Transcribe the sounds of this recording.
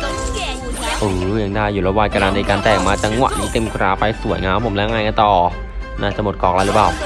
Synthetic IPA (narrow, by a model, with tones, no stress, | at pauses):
ʔɯː˧˩ja˧ŋdaː˥˩jːuː˨˩lɛː˦˥waː˧ka˧laː˧daː˧kaː˧nt̪ɛː˨˩ŋ̚maː˧t͡ɕa˧ŋwa̰˨˩ʔniː˨˦t̪e˧mkɾaː˨˦˥pa˧jsu˨˩˦əjŋa˦˥˦pʰo˩˦mlɛ˦˥˦ŋaː˧jŋa˧˦t̪ɔː˨˩ | naː˦˥˩t͡ɕa˧mo˨˩t̪̚kɔː˨˩k̚la˦˥lɯ˨˦˥paː˨˩w